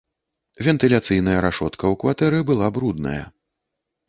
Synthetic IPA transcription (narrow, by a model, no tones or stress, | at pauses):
vʲɛnt̪ɨlʲat̪sɨjnɐjɐɾaʂɔt̪kɐwkvat̪ɛɾɨbɨlˠabɾud̪nɐ̰jɐ̰